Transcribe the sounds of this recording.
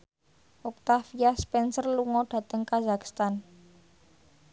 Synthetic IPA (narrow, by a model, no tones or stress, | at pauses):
ʔuk̚t̪afiaspɛnsərluŋɔɖ̥a̤t̪əŋkazakst̪an